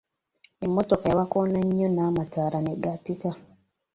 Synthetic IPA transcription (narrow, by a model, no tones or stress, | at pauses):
emotokajawakonaɲːonaːmataɾaneɡatika